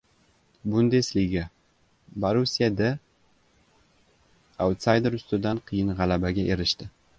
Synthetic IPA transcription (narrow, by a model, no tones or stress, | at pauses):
bʊnd̪eslɪɡʲa | baɾusijad̪a | awt̪sajd̪eɾʊst̪ɪd̪anqʰɨjɪnʁɑlabaɡʲaʔe̞ɾɪʃt̪ɪ